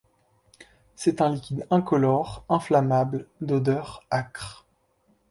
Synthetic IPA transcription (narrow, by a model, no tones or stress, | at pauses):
sɛt̪ɛ̃likʲid̪ɛ̃kɔlɔʁɛ̃flamabld̪od̪œʁakχ